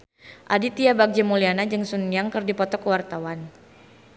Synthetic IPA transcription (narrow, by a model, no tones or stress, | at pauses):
ʔadit̪iabak̚d͡ʒɛmulianad͡ʒɨŋsunjaŋkɨrdipɔt̪ɔkəwart̪awan